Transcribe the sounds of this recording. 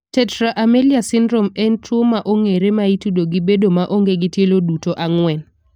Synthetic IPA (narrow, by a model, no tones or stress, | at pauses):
tɛtɾaʔameliasɪndɾomɛntʰumaʔoŋeɾemaitudoɡibedomaʔoŋɡeɡɪtjelodutoʔaŋwɛn